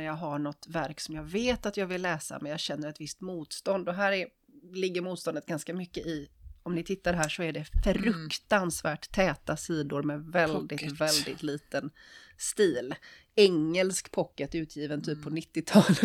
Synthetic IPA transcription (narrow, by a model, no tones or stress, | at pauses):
jɑːɡɦaɳɔt̪væɾksɔmjɑːɡveːt̪at̪jɑːɡvɪlːɛːsa̰mɛnjɑːɡɕɛnːəɾɛt̪vɪst̪muːt̪st̪ɔnd̪ɔɦæːɾæɾ | lɪɡːəɾmuːt̪st̪ɔnət̪ɡ̥anskamʏkːəʔɪɔmnɪt̪ʰɪt̪ːaɖɦæːʂɔæɖɛfɾɵkt̪ansvæːʈt̪ʰːɛːt̪asiːd̪ʊɾmɛvɛld̪ɪt̪vɛld̪ɪt̪liːt̪ənst̪iːl | ɛŋːəlskpʰɔkːət̪ʉ̟ːt̪ʰjiːvənt̪ʰyːpʰːɔnɪt̪ːɪt̪ʰɑːl